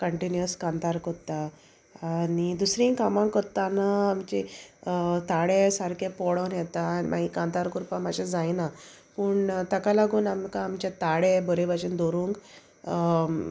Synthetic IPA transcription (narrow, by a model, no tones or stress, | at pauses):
kəɳʈinjəskant̪aɾkɔɾt̪aː | nid̪usɾĩŋkamankɔɾt̪ːanaːmt͡ɕe | t̪aɽesaɾkepɔɽɔwnjɛt̪aːnimʔa̰ɦikãnt̪aɾkuɾpãmaɕad͡zajna | puːɳt̪əkalaɡuːnamkaːmt͡ɕat̪aɽebɔɾebaɕind̪ɔɾuŋk